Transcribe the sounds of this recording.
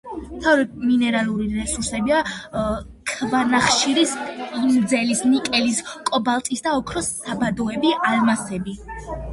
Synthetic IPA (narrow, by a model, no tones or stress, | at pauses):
mt̪ʰavɾɛminɛɾalˠuɾiɾɛsuɾsɛbia | kʰvanaχʃiɾisʼind̪zɛlisnikʼɛliskʼɔbalˠt̪ʼisd̪aɔkʰɾɔsabad̪ɔɛbialmasɛbi